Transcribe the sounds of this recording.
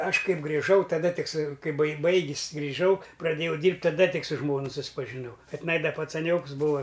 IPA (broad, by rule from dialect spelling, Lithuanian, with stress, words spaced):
ˈɐʃ ˈkɐɪp ɡrʲɪˈʒɐʊ tɐˈdɐ ˈtʲɪk sʊ ˈkɐɪ bɐɪ ˈbɐɪɡʲɪs ɡrʲɪˈʒɐʊ prɐˈdʲeːjɛʊ ˈdʲiːrʲpʲtʲ tɐˈdɐ ˈtʲɪk sʊ ˈʒmoːnʊ sʊspɐʒʲɪˈnɐʊ kɐ tʲɪˈnɐɪ dɐ pɐt͡sɐˈnʲoːks ˈbuːɐ